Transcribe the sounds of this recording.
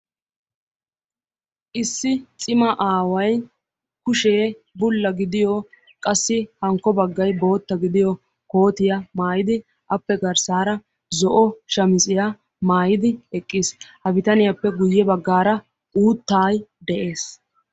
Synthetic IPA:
ʔɪsːɪt͡sʼɪmɐʔaːwɐj | kʊʃe̞ː | bʊlːɐɡɪd̪ɪjɔ | kʼɐsːɪhɐŋkːɔbɐɡːɐjbo̞ːt̪ːɐɡɪd̪ɪjɔ | ko̞ːt̪ɪjɐmaːjɪd̪ɪ | ʔɐpːɛɡɐɾsaːɾɐ | zɔʔɔʃɐmɪt͡sʼɪjɐ | maːjɪd̪ɪɛkʼːɪshɐbɪt̪ɐnɪjɐpːɛɡʊjːɛbɐɡːaːɾɐ | ʔuːt̪ːaːjd̪ɛʔe̞ːs

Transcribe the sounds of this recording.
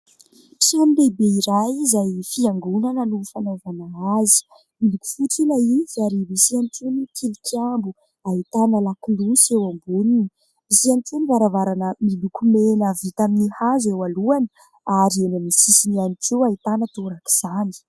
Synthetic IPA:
pi̥sanilebeiɾajzajfiaŋɡunanənufanovanaazi̥ | miluku̥fuʈ͡ʂilaizaɾibisianʈ͡ʂunikʰilikambu | aɦit̪anəlakulusiewambunini | bisianʈ͡ʂunivaɾavaɾanəmilukumenəvit̪aminihazewaluanə̥ | aɾelanisisinianikuait̪anət̪oɾaki̥z̥ani̥

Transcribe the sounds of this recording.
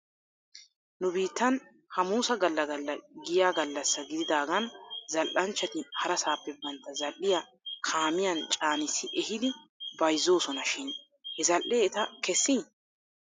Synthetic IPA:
nʊbiːt̪ːɐn | hɐmuːsɐɡɐlːɐɡɐlːɐɡɪjaːɡɐlːɐsːɐɡɪd̪ɪd̪aːɡɐnzɐlʔɐnt͡ʃːɐt̪ɪhɐɾɐsaːpːɛbɐnt̪ːɐzɐlʔːɪjɐ | kʰaːmɪjɐnt͡ʃʼaːnɪsːɪʔɛhɪd̪ɪbɐjzːo̞ːsɔnɐʃɪn | hɛzɐlʔeːɛt̪ɐkɛsːi

